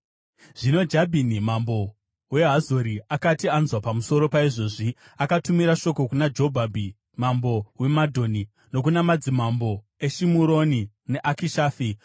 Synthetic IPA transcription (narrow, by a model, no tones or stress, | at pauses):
ʐ̥ino̞d͡ʒabʱinimambo̞ | we̞ɦazoɾiakatianzwapamuso̞ɾo̞paiʐo̞ːʐi | akatumiɾaʃo̞ko̞kunad͡ʒo̞bʱabʱi | mambo̞we̞madʱo̞ni | no̞k̬unamad͡zimambo̞ | e̞ʃimuɾo̞ni | ne̞ʔakiʃaːfi